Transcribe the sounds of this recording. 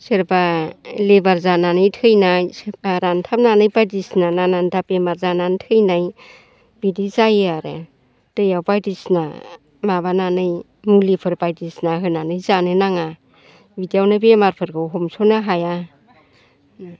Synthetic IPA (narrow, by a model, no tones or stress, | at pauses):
sɯɾbalebaɾzananɯjtʰɯjnajsɾantʰapnanɯjbajdisnananandʰapemaɾzanantʰɯjnaj | bidizajaɾɯ̰ | d̥ɯjawbajdisna̰ | maβananɯj | mulipʰɯɾbajdisnaɦɯnanɯjzanɯnaŋa | bidiawnabemaɾpʰɯɾɡɯɦɔmsɔnaɦaja